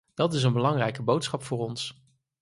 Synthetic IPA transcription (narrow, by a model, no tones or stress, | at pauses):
d̥ɑtɪs̬ənbəlɑŋrɛjkəbowtsχɑpfʊːrɔns